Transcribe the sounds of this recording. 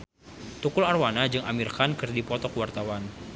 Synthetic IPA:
t̪ukʊlarwanad͡ʒɨŋamirkankɨrdipɔt̪ɔkwart̪awan

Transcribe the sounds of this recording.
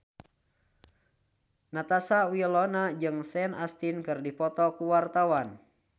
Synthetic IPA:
nat̪asawilɔnad͡ʒɨŋsɛnast̪inkɨrdipɔt̪ɔkuwart̪awan

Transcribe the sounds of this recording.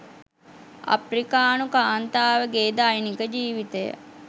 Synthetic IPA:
a̰pɾikaːnukaːnt̪aːʋəɡeːd̪aːjnikəd͡ʒiːʋit̪əjə̰

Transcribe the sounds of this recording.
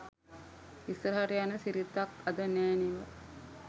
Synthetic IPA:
isɾəɦaɾijanəsiɾit̪ːakad̪ənæːniʋə

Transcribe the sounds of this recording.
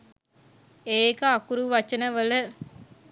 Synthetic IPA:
eːkəakuɾuʋat͡ʃənəʋələ

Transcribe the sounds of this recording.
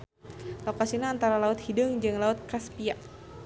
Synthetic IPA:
lokasinaːnt̪aɾalaʊt̪hidəŋd͡ʒɨŋlaʊt̪̚kaspiaʔ

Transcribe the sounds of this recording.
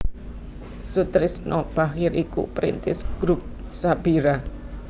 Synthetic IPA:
sut̪ɾɪsnɔb̥axɪɾʔikṵpɾḭnt̪ɪsɡ̥ɾup̚sab̥iɾa

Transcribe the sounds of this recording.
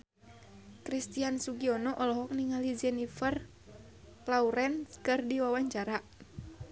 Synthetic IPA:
kɾist̪iansuɡiɔnɔʔɔlɔɦɔk̚niŋalid͡ʒɛnifər | lauɾɛnskɨrdiwawaɲt͡ʃaɾaʔ

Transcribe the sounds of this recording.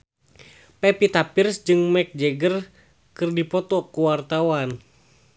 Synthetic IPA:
pɛpit̪apirsd͡ʒɨŋmɛk̚d͡ʒɛɡər | kɨrdipɔt̪ɔkuwart̪awan

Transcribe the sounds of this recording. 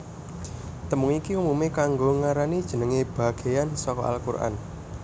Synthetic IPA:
t̪əmʊŋikiumumekaŋɡoŋaɾanid̥ʒ̥ə̤nəŋeb̥ä̤ɡ̥e̤jansɔkɔ̰a̰lkurʔa̰n

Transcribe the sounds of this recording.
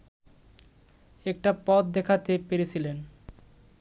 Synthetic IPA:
ɛk̚ʈapɔt̪̚d̪ɛkʰat̪epeɾet͡ɕʰilen

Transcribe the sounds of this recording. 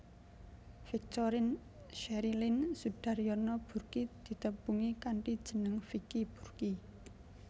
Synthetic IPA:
fik̚t̪oɾɪn | ʃɛɾilɪnsuɖ̥a̤ɾjɔnɔb̥ṳrkid̪̥i̤t̪əb̥uŋikaɳʈid̥ʒ̥ə̤nəŋfikib̥ṳrki

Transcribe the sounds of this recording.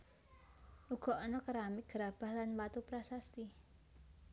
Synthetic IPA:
uɡ̥ɔ̤ʔɔnɔkəɾamiɡ̥əɾab̥a̤hlanwat̪upɾasast̪i

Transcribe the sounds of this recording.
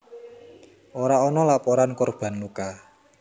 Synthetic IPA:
ʔoɾaɔnɔlapoɾankorb̥a̤nluka

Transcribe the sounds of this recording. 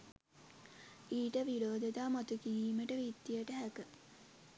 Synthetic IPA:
iːʈəʋiɾoːd̪əd̪aːmot̪ukiɾiːməʈəʋid̪ːiəʈəɦækə

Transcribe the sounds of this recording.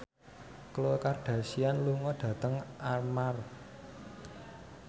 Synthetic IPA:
kəlokarɖ̥ä̤sianluŋɔɖ̥ä̤t̪əŋarmar

